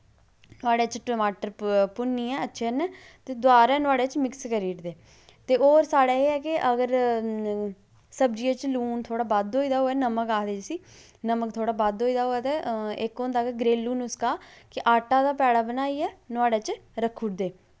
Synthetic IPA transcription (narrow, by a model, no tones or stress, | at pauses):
t̪ʊaːɽeːt͡ʃʈəːmaːʈəɾpʊnːiːɛːətːʃʰeːnɛː | t̪eːd̪ʊaːɾɛːnʊaːɽeːt͡ʃmɪkskəɾiːʈd̪eː | t̪eːoːɾsaːɽɛːeːɛːkɪʔəɡəɾ | səb̚d͡ʒiẽːt͡ʃluːnt̪ʰoːɽaːbad̪ɦoːiːd̪aːɦoːɛːnəməkaːd̪eːd͡ʒsiː | nəməkt̪ʰoːɽaːbad̪oːiːd̪aːɦoːɛːt̪eːɪkond̪aːkeɡɾeːlːuːnʊskaːkɪʔaːʈaːd̪aːpɛːɽaːbənaːiːɛːnʊaːɽeːt͡ʃɾəkʰːʊʈd̪eː